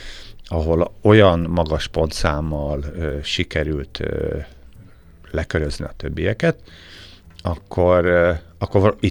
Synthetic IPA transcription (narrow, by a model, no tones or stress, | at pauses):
ɒɦo̞lo̞jɒnmɒɡɒʃpo̞nt̪saːmːɒløʃikɛɾylt̪ø | lɛkøɾøznḭɒt̪ø̞bːijɛkɛt̪ | ɒkʰːo̞ɾ | ɒkːoi